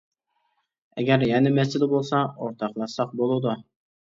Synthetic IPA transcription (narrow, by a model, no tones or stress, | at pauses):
ɛɡʲæɾjɛnɪmɛst͡ʃ̪ɪlɪbolˠsɑoɾt̪ʰɑqlˠɑsɑq̚bolˠud̪ʊ